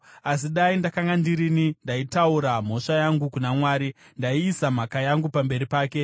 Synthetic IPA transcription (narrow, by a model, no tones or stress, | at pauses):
as̬iɗaindakaŋɡandiɾinindaitauɾam̤o̞ʂajaŋɡukunamwaːɾindaiːsam̤akajaŋɡupambe̞ɾipaːke̞